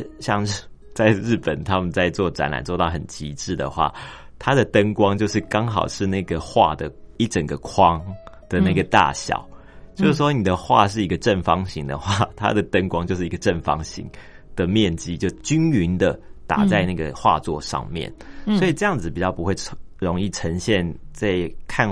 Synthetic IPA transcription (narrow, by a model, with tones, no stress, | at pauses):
ɕjɑ˥˧ŋ | t͡sa˥˧ɪɻɻ̩˥˩pə˨˩nt̪ʰa˦˥mə˨nt͡sa˥˧ɪt͡swɔ˥˨˩ʈ͡ʂa̰˧˥nla̰˨˩nt͡swɔ˥˧t̪ɑ˥˩ʊhə̰˨˩nt͡ɕi˧˥ʈ͡ʂɻ̩˥˩d̪ə̰˩xwa̰˥˩ | t̪ʰa˦˥d̪ə˨t̪ə˦˥ŋkwɑ˥ŋt͡ɕjo˥˧ʊʂ̬ɻ̩˥˩kɑ˥ŋxɑ˨˩ʊʂɻ̩˥˧na˥˩ɪɡə˩xwa̰˥˩d̪ə˩i˥˩ʈ͡ʂə˨˩ŋɡə˩kʰwɑ˦ŋ | d̪̥ə˨na˥˩ɡə˩t̪a̰˥˩ɕjɑ̰˨˩˦ʊ | t͡ɕjo˥˧ʊʂɻ̩˥˩ʂwɔ˥ni˨˩d̪ə˩xwa̰˥˧ʂɻ̩˥˩i˧˥ɡə˨ʈ͡ʂə˥˩nfɑ˦ŋɕi˧˥ŋd̪ə̰˨xwa˥˩t̪ʰa̰˦˥d̪ə˨t̪ə˥ŋkwɑ˥ŋt͡ɕjo˥˧ʊʂɻ̩˥˩i˧˥ɡə˧ʈ͡ʂə˥˩nfɑ̰˦ŋɕḭ˧˥ŋ | d̪̥ə˨mjɛ˥˨nt͡ɕi˥t͡ɕjo˥˩ʊt͡ɕy˥ny˧˥nd̪ə˨t̪a̰˨˩t͡sa˥˧ɪna˥˩ɡə̰˩xwa̰˥˧t͡swɔ˥˧ʂɑ̰˥˧ŋmjɛ̰˥˨nswi˨˩ʈ͡ʂɤ˥˧jɑ˥˩ŋd͡zɹ̩˩pi˨˩t͡ɕjɑ˥˩ʊpu˦xwe˥˩ɪ | ɻo˧˥ŋi˥˩ʈ͡ʂʰə˧˦˥ŋɕjɛ˥˨nt͡sa˥˩ɪkʰa˥˧n